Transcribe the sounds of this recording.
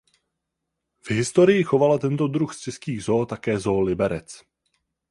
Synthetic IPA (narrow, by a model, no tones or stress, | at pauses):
v̥ɦɪst̪o̞ɾɪjɪxo̞valat̪ɛnt̪o̞d̪ɾuxst͡ʃɛskiːɣzoːt̪akɛːzo̞ːlɪbɛɾɛt͡s